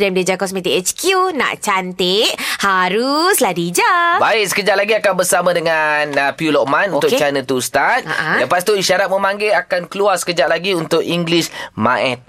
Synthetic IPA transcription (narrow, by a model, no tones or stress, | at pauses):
dɛmded͡ʒakɔs̬mĩt̪iɛt͡ʃkjunã̰ʔt͡ʃant̪ɪʔhaɾusladid͡ʒabaɪʔ̚sə̥kəd͡ʒat̪̚laɡiakanbərsamãdəŋanəpiulɔʔ̚mãnũukt̪ʊkt͡ʃanə̃t̪ust̪at̪̚a̰ʔaãləpast̪uiʃaɾat̪̚mə̃mãŋɡeakankəluarsə̥kəd͡ʒatʔ̚laɡiunt̪ʊk̚iŋɡlismã̰ʔɛt̪̚